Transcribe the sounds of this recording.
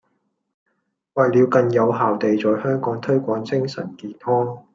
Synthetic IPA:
wɐ˨jliː˨˧wkɐ˨˧njɐ˨˧wɦaː˨wt̪e˨jt͡sɔː˨jhœː˥ŋkɔː˨˥ŋt̪ʰɵ˥ɥkʷɔː˨˥ŋt͡sɪ˥ŋsɐ̰˨˩nkiː˨˩t̪hɔː˥ŋ

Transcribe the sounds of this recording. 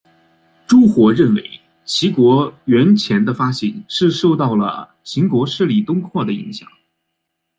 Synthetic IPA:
ʈ͡ʂu˥xwɔ˧˥ɻə˥˩nwe˧˥ɪ | t͡ɕʰi˧˥kwɔ˧˥ɥɛ˧˥nt͡ɕʰjɛ˧˥nd̪ə˧fa˥ɕi˨˩nʂɻ̩˥˧ʂo˥˧ʊt̪ɑ˥˩ʊlə̰˩ | t͡ɕʰi˧˥ŋkwɔ˧˥ʂɻ̩˥˩li˨˩t̪ʊ˥ŋkʰwɔ˥˩d̪ə˩ḭ˧˥ŋɕjɑ̰˨˩˦ŋ

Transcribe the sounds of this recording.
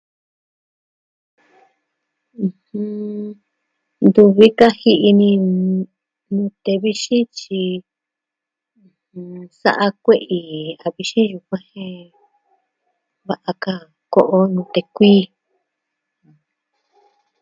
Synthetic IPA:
ũ˧hũ˧ | nd̪u˧βi˦ka˦hi˧ʔi˧nĩ˧ | nũ˧t̪e˧βi˧ʃĩ˦t͡ʃi˧ | hũ˧sa̰˧ʔa˧kʷe˦˧ʔi˧a˨˧βi˧ʃĩ˦ju˧kʷã˦hẽ˦˧˦ | βa˧ʔa˧ka˧ | ko˧ʔo˦nũ˧t̪e˧kʷiː˦ | ã˧

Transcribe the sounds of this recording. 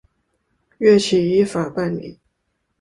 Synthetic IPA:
ɥɛ˥˩t͡ɕʰi˨˩i˧˥fa˨˩pa˥˩nmḭ˨˩˦

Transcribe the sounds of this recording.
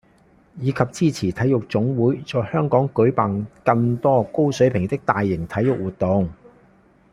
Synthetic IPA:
jiː˨˧kʰɐ˨p̚t͡siː˥t͡sʰiː˨˩t̪ʰɐ˨˥jʊ˨k̚t͡sʊ˨˥ŋwuː˨˥jt͡ʃɔː˨jhœː˥ŋkɔː˨˥ŋkɵ˨˥ɥpaː˨˩nkɐ˧ŋt̪ɔː˥ko˥wsɵ˨˥ɥpʰɪ˨˩ŋt̪ɪ˥k̚t̪aː˨jːɪ˨˩ŋt̪ʰɐ˨˥jʊ˨k̚wuː˨˩t̪̚ʊ˨ŋ

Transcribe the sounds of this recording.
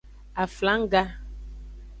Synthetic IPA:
a˨fla˨˦ŋ̩˦ɡa˦

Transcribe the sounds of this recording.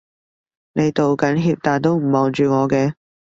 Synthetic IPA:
ne˨˧jt̪o˨wkɐ˨˥nɦiː˧p̚t̪aː˨nt̪o˥wm̩˨˩mɔː˨nt͡ʃyː˨ŋɔː˨˧kɛː˧

